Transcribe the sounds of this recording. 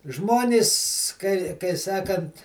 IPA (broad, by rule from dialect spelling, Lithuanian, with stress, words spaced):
ˈʒmoːnʲɪs ˈkɐɪ kɐɪ ˈsɑːkɐnt